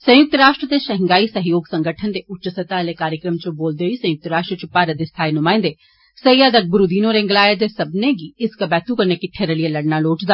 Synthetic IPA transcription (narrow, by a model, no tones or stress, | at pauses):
sɐ̃jʊk̚t̪ɾaːʃʈɾət̪eʃɐɦɪ̃ŋɡaːisɐɦjoːɡsɐ̃ŋɡəʈʰənd̪eʔʊt͡ʃəsət̪alekaːɾjəkɾəmt͡ʃõboːld̪eoisɐ̃jʊk̚t̪ɾaːʃʈɾət͡ʃʊpːaːɾəd̪est̪ʰaːenʊmaːɪ̃nd̪e | sɐjaːd̪ɐɡ̚bʊɾud̪iːnõɾẽːŋɡlaːjed̪esɐbneɡiɪskabɛːt̪ukɐɾnekiʈʰeɾəlijelɐɽnaloːʈʰd̪a